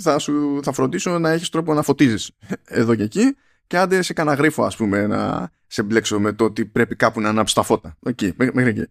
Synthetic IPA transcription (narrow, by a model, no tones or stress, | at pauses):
θɐsuθɐfɾo̞nd̪iso̞nɐeçist̪ɾo̞p̬o̞nɐfo̞t̪izsise̞̰ðo̞ce̞ci | ce̞ɐnd̪esekɐnɐɣɾifo̞ɐ̰spume̞nɐ̰ | semble̞kso̞me̞t̪oo̞t̪ipɾe̞pikɐpunɐnɐpst̪ɐfo̞t̪ɐocimemexɾicḭ